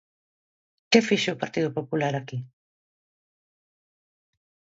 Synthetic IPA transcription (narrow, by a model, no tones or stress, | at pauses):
kefiʃeopaɾt̪iðʊpopulaɾaki